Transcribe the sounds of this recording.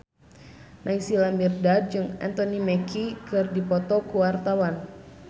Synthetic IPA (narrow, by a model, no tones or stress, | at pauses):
nʔaisilamirdad̚d͡ʒɨŋɛ̰nt̪ɔnimɛkʰikɨrdipɔt̪ɔkuwart̪awan